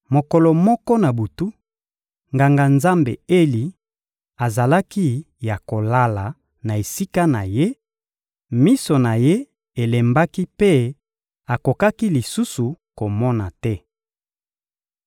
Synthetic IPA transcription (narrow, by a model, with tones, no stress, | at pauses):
mo˨kɔ˨lɔ˨mɔ˦kɔ˦na˨bu˨tu˦ | ŋɡa˨ŋɡa˨nza˦mbḛ˨e˦li˨ | a˨za˨la˦ki˦ | ja˨ko˨la˦la˨ | na˨e˨si˦ka˦na˨je˦ | mi˦so˨na˨je˦ | e˨le˨mba˦ki˦pe˦ | a˨ko˨ka˦ki˦li˨su˦su˨ko˨mɔ˦na˨tɛ˦